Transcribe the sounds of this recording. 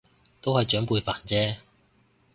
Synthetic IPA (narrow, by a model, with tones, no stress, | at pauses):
t̪o˥whɐ˨jt͡ʃœː˨˥ŋpuː˧jfa̰ː˨˩nt͡sɛː˥